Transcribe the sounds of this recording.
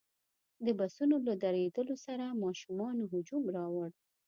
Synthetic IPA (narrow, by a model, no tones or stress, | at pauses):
d̪əbasunolad̪aɾed̪əlosaɾamɑʃumɑnoɦʊd͡ʒumɾɑwaɽ